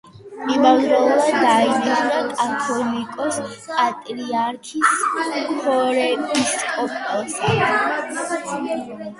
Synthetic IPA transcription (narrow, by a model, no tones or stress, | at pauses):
mibavɾɛlˠɔad̪ainiʒnakʼat̪ʰɔnikʼɔspʼat̪ʼɾiaɾkʰispʰɔɾɛpʼiskʼɔpʼɛlˠsa